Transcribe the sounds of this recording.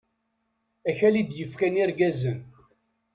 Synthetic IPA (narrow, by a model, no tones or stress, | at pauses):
æçælid̪jəfkæniɾɡæzən